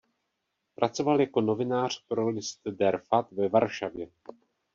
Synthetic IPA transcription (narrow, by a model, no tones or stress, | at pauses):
pɾʔat͡so̞valjako̞no̞vɪnaːr̝̥pɾolɪst̪dɛɾfat̪vɛvaɾʃavjɛ